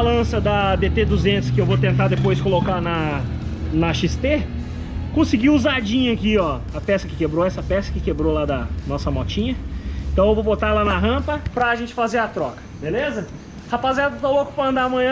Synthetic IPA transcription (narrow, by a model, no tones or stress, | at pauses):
alɐ̃sɐd̪ɐbet̪ed̪uzẽnt̪ʊ̥skɪewvot̪̬ẽnt̪̬aɾd̪epojskolokanɐ | nɐʃist̪e | kõsiɡiuzad͡ʒĩɲɐɐkiɔ | ɐpɛsɐkɪkebɾoɛsɐpɛsɐ̥kɪkebɾolad̪ɐnɔsɐmɔt͡ʃĩɲɐẽt̪ɐ̃w̃ewvobot̪alanɐɦɐ̃pɐpɾɐːʒẽnt͡ʃɪ̥fazeɾɐt̪ɾɔkɐ̥belezɐ | hapaziat̪ɐt̪owokʊ̥pɐ̃ɐ̃nd̪amɐ̃ɲɐ̃